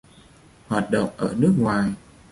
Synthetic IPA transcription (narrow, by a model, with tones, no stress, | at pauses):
hwaː˨˩t̚ɗə̰˧˨wŋ͡mʔəː˧˩nɨ˦˥ək̚ŋwaː˨˩j